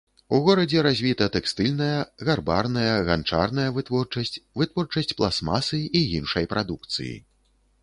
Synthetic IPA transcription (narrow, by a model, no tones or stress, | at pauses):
uɣɔɾɐd͡zʲɛɾazʲvʲit̪ɐt̪ɛkst̪ɨlʲnɐjɐɣarba̰rnɐjɐɣant͡ʂa̰rn̪ɐjɐvɨt̪vɔrt͡ʂɐsʲvɨt̪vɔrt͡ʂɐsʲt͡sʲplˠasma̰sɨijinʂɐjpɾad̪uk̚t̪sɨ̰jḭ